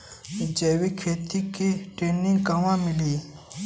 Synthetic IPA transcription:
d͡ʑeːwekʰet̪ʰikːiʈ͡ʂeniŋkaŋwamileː

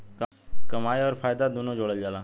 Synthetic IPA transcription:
k | kəmaːjɔːɾfaːjd̪ad̪onod͡ʒoːɽəld͡ʒaːla

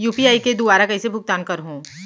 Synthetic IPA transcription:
juːpiaːiked̪ʊbaːɾakɐisebʱʊk̚t̪aːnkɐɾɦõː

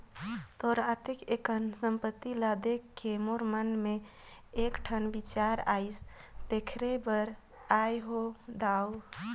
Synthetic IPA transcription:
t̪ɔɾat̪ikekənsəmpət̪ːilad̪ekːemoɾmənme | ekʈʰənbit͡ʃaɾaist̪ekʰɾebəɾ | ajɦod̪aw

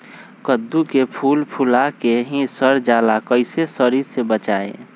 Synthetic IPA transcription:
kəd̪ːukepʰuːlpʰulakeɦĩsəɾd͡ʒaːlakəɪsesəɾiɾsebət͡ʃaːḛ

